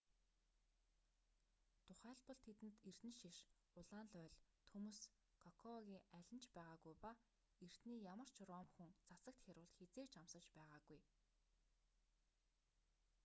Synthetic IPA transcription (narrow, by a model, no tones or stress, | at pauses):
t̪ʰʊχæːɮpɞ̆ɮt̪ʰet̪ɘ̆nt̪er̥t̪ɘ̆nʃiʃ | ʊɮaːnɮœːɮt̪ʰumus | kʰɔkʰɔɣʲiːŋæɮʲɪ̆nt͡ɕpæːʁaːɣujpa | er̥t̪niːjamə̆r̥t͡ɕʰɾɔːmxŭŋt͡sasə̆k̚t̪xʲaɾʊːɮt̪xet͡seːt͡ɕamsə̆t͡ɕpæːʁaːɡuj